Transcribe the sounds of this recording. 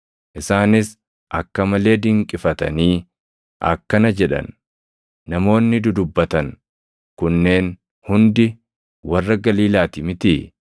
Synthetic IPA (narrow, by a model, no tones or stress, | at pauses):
ʔɪsaːnɪs | ʔɐkːɐmɐle̞ːd̪ɪŋkʼɪfɐt̪ɐ̰niː | ʔɐ̰kːɐnɐd͡ʒɛᶑɐ̰nː | ɐmo̞ːnːɪd̪ʊd̪ʊbːɐt̪ɐn | kʊnːe̞ːn | hʊnd̪ɪ | wɐrːɐɡɐliːlaːt̪ɪmɪt̪ɪ